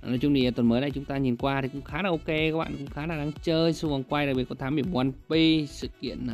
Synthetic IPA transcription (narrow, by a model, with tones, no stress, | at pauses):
ɔ˨˦jt͡ɕʊ˧ŋ͡mɗi˧˨ə˨˩t̪wə˨˩nməː˨˦jna˨˩jt͡ɕʊ˨˦ŋ͡mt̪aː˧ɲi˨˩nkwaː˧t̪ʰi˨˩kʊ̰˧˥ŋ͡mxaː˨˦naː˨˩ʔo˧ke˧aː˧˦k̚ɓa̰ː˧˨˩kʊ̰˧˥ŋ͡mxaː˨˦naː˨˩ɗaː˧˦ŋt͡ɕəː˧jsu˧və˨˩nkwa˧jɗa˨˩k̚ɓi˨˩t̚kɔ˨˦t̪ʰaː˨˦mɓi˧˩mwa˧nɓi˧sɨ̰˧˨kḭ˧˨ənː˨˩